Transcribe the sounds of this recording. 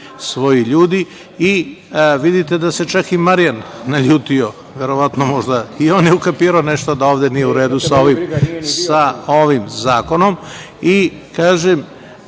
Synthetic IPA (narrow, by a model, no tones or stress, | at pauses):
sʋo̞jiʎuːd̪i | iʋid̪it̪e̞d̪ase̞t͡ʃakimaɾijanːaʎuːt̪io̞ | ʋe̞ɾo̞ʋat̪no̞mo̞ʒd̪aio̞ːnjeukapiːɾaoneʃt̪od̪aoːʋd̪enijeuɾe̞ːd̪usaoʋimsao̞ʋimzaːko̞no̞m | i | kaːʒem